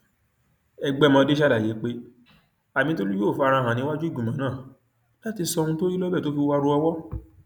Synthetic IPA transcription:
ɛ˧ɡ͡bɛ˦˨mɔ̃˧de˦ʃa˦la˦˨je˨˦k͡pe˦ | a˨mĩ˧˦to˦li˦jo˦˨fa˧ɾ̃ã˧˨ɦã˨nĩ˧˦wa˦d͡ʒu˦i˦˨ɡũ˨mã˨˦nãː˦˨ | la˨˦ti˧sɔ˧nũ˧to˦ɾi˦lɔ˦bɛ˦˨to˨˦fi˧wa˧ɾu˧ɔ˧wɔ˦

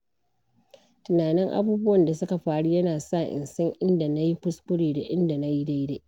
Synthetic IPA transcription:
tʊ˨naː˨nɪ˦ŋʔa̰˦buː˦bʊ˦wɐ˨nda˨sʊ˦ka˨ɸaː˦ɽu˦jɐ˦naː˨sa˦˨ʔɪ̰˨nsɐ˦ŋʔɪ˦nda˨na˦ji˦ɸʊ˦skʊ˦ɽeː˨da˨ʔɪ˦nda˨na˦ji˦da˦jde˦

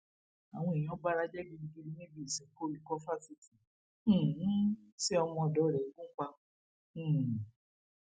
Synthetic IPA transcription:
a˨w̃ɔ̃˧i˨j̃ɔ̃˨˦ba˦ɾa˦d͡ʒɛ˦ɡi˧nĩ˧ɡi˧li˦nẽ˦bi˦˨sɛ˨˦ko˦li˦kɔ˦fa˦˨si˨˧tĩ˨˦˨ | sɛ˦ɔ˧mɔ̃˧ɔ˨dɔ˨˦˨ɾɛ˨i˨˦ɡũ˦k͡pã˧˦˨

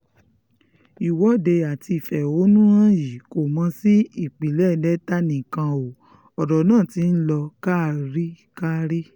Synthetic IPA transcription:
i˨wɔ˨˦de˧a˨ti˧i˨fɛ˨o˨˦nũ˦ã˦ji˨ko˨mã˧si˦i˦˨k͡pi˨lɛ˦˨dɛ˦ta˦nĩ˨kã˧o˨ | ɔ˨dɔ˨nãː˦˨ti˧˦n̩˦lɔ˧ka˦˨ɾi˦ | ka˦ɾi˦

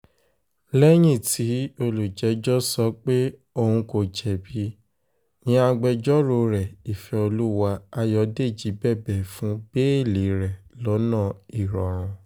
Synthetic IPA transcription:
lɛ˦j̃ĩ˦˨tʰi˨˦o˧lo˨d͡ʒɛ˨˦d͡ʒɔ˦sɔ˧˦k͡pe˦ | o˧hũ˧ko˨d͡ʒɛ˨bi˧˦ | nĩ˨˦a˧ɡ͡bɛ˧d͡ʒɔ˦ɾo˧˨ɾɛ˨i˨fɛ˧˦o˧lu˦wa˧a˧jɔ˧de˦˨d͡ʒi˨˦bɛ˦˨bɛ˨fũ˨˦b̥e˦e˦˨le˨ɾɛ˨lɔ˨˦nã˦˨i˨ɾɔ˨ɾ̃ɔ̃˨˧

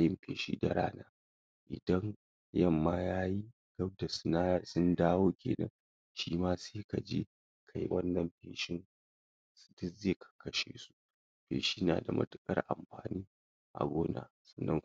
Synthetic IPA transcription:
jɪ˦mɸeː˨ʃiː˦da˨ɾa̰ː˦naː˦ | ʔɪ̰˨dɐ˦ŋ | jɐ˦˨mːaː˦jaː˦ji˦ | ɡ̥ɐ˦b̚da˨sna˦sʊ˦ndaː˦woː˦kʲḛː˨nɐ̰˦ŋ | ʃiː˦maː˦seː˦ka˨d͡ʒe˦ | kʰa˨ji˦wɐ˦nːɐ˨mɸḛː˨ʃɪ˦ŋ | sdʊ˦zeː˦˨kʰḁ˨kʰɐ˦ʃḛː˨su˦ | ɸḛː˨ʃiː˦na̰ː˨da˨mɐ̰˦tʊ̥˦kʼɐ̰˦rʔa̰˨mɸa̰ː˨niː˦ | ʔa̰˨ɡʷoː˦na̰ː˨ | sɐ̥˦˨nːɐ˦ŋ

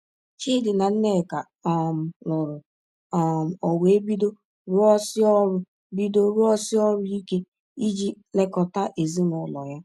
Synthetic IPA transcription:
t͡ʃi˦dɪ˨na˨n̩˦ne˦˨ka˨ | m̩˨lɔ˨ɾʊ˨ | m̩˨ɔ˨wʷe˨˦bi˦do˦ | ɾʊ˦ɔ˦sɪ˦ɔ˦ɾʊ˦ | bi˦do˦ɾʊ˦ɔ˦sɪ˦ɔ˦ɾʊ˦i˦ke˦ | i˦d͡ʒi˦ | le˦kɔ˨ta˦ʔe˨zi˦nɔ˨lɔ̰˨ja˦

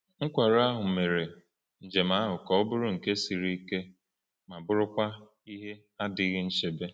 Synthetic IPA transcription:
ŋ̩˦kʷa˨ɾa˦ɦʊ˨me˨ɾe˨ | n̩˨d͡ʒe˨ma˦ɦʊ˨kɔ˨ʊ˦bʊ˦ɾʊ˦ŋ̩˨ke˦si˨ɾi˦ke˦ | ma˨bʊ˦ɾʊ˦kʷa˦ | i˦ɦe˦ | a˦dɪ˨˦ɣɪ˦n̩˦ʃe˨be˦

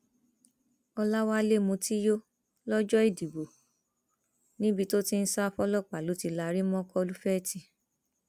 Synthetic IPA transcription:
ɔ˧la˦wa˦le˦˨mũ˧ti˦jo˦ | lɔ˦d͡ʒɔ˦i˦˨di˨bo˨ | nĩ˦bi˧to˦ti˦n̩˦sa˦fɔ˦lɔ˦˨k͡pa˨lo˨˦ti˧la˧˨˧ɾi˦mɔ̃˦kɔ˦˧lu˦fɛ˦˨ti˧

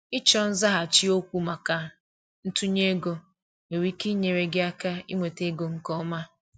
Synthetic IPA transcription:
ɪ˦t͡ʃɔ˦n̩˦za˦ɦa˨t͡ʃi˦o˦kʷu˦ma˨ka˨ | n̩˦tu˦ɲe˦ɡo˦ | e˨ɾi˦ki˦ɲe˨ɾe˨ɡɪ˦a˦ka˦i˦ŋʷe˨te˦ɡo˨ŋ̩˦kɔ˦ma˦

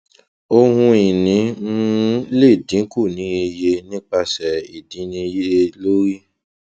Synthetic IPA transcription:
o˧hũ˧i˨nĩ˨˦ | le˦˨dĩ˨˦ku˦˨nĩ˨˦e˧je˧nĩ˦k͡pa˧sɛ˨i˨dĩ˨˦nĩ˧˦je˦lo˦ɾi˦

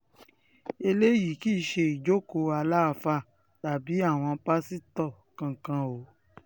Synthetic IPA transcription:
e˧le˦ji˨ki˦˧˦ʃe˧i˨d͡ʒo˦ko˨˧a˧la˦˨fa˦˨ | ta˨bi˨˦a˦˨w̃ɔ̃˧pa˦si˦tɔ˦˨ | kã˧˨kã˧o˨˦

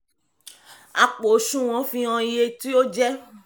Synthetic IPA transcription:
a˨k͡po˨˦ʃũ˦˨w̃ɔ̃˨˦fĩ˧ã˧i˧je˧ti˦o˦d͡ʒɛ˦

